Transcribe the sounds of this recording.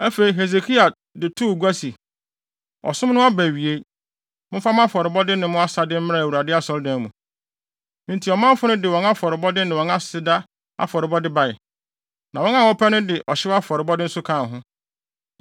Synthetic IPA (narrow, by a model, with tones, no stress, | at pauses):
æ˦fe˨i˨ɦe˨s̬e˨kʰi˦a˨ | dɪ˨tʰu˦˨ɡu˦a˦si˨ | ɔ̰˨sʊ̃˦mnʊ̃˦a˦bæ˨ɥi˨e˦ | mʊ̃˦fa˦m̃˦a˦fɔ˨ɾɪ˨bɔ˦dɪ˦nɪ̃˨mʊ̃˦a˦sa˨dɪ˦m̩˦ɪ̃˦ɾã˦˨u˨ɾa˨dɪ˦a˦sɔ˨˦ldã˨˦mũ˨ | mɪ̃˨ntʰi˨ɔ˨mã˦m˦fʊ˦nʊ̃˦dɪ˨wɔ̃˨na˦fɔ˨ɾɪ˨bɔ˦dɪ˦nɪ̃˨wɔ̃˨nã˦ssɪ˨˦da˦ | a̰˦fɔ˨ɾɪ˨bɔ˦dɪ˦ba˨ɪ˨ | nã˨wɔ̃˦nã˦˨ɔ˦pʰɛ˦nʊ̃˦dɪ˨ʔɔ˨ɕɪ˦wa˦fɔ˨ɾɪ˨bɔ˦dɪ˦n̩˦sʊ˦kʰãː˦˨n˨ɦʊ̃˦